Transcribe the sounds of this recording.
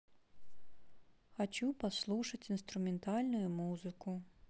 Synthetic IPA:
xɐt͡ʃupɐslˠuʂɐtʲinst̪ɾʊmɛnt̪ɑlʲnʊjʊmuzɨkʊ

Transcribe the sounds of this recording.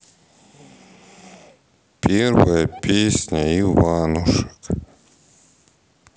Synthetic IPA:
pʲɛrvɐjɐpʲesʲnʲɐiʋanʊʂɐ̥k

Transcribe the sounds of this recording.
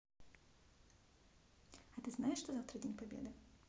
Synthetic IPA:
ɐt̪ɨznajɪʂʂt̪ozaft̪ɾədʲenʲpabʲḛd̪ɨ

